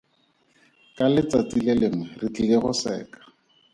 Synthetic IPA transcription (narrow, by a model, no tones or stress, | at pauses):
kʼalɪt͡sat͡sʼilelɪŋwɛrit͡ɬʼileχʊsɛ̰ːkḁ